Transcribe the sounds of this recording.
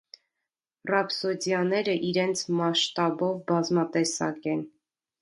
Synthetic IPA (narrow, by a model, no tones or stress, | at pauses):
rɑpsɔd͡zjɑnɛɾəʔiɾɛnt͡sʰmɑʃt̪ɑbɔvbɑzmɑt̪ɛsɑ̰kɛn